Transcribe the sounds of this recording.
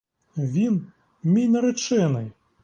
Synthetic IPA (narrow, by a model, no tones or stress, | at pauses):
vʲin | mʲijnɐɾɛt͡ʂɛnɨj